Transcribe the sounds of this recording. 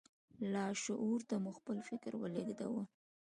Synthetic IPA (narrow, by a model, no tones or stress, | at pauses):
lɑʃʊʔuɾt̪amuxpəlfɪkɾwə̰ledd̪a̰wu